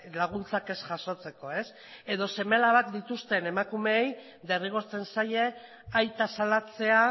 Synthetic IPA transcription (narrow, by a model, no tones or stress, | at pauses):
laɣ̞unt͡sakesʝaʃo̞t͡se̞ko̞e̞s | e̞ðo̞se̞melaβak̚d̪it̪ust̪e̞ne̞makume̞ːj | ðe̞riɣ̞o̞ɾt͡se̞nsaje̞ | ajt̪asalat͡se̞a